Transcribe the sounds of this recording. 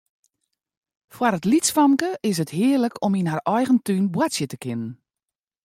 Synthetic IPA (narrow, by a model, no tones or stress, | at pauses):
fwaɾətlisfamkəɪs̬əthɪərləkʰominɦarɔjɣəntynbwatsjətəkɪnən